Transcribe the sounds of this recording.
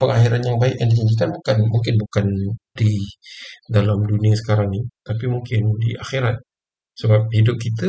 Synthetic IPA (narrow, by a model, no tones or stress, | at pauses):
pəŋaxiɾanjaŋbaɪkjaŋdid͡ʒaɲd͡ʒikanbukanmuŋk̬ɪnbukandi | dalamduniasə̥kaɾaŋnɪt̪apimuŋkɪndiʔaxiɾat̪̚ | səbap̚hidʊp̚kit̪a